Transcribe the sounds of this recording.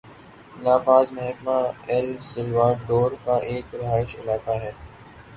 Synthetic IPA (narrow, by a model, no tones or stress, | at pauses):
laːbaːzmɐɦɛkmaɛlsɪlʋaːɖoːɾkaʔeːkɾɪɦaːɪʃɪ̰laːkaɦɛː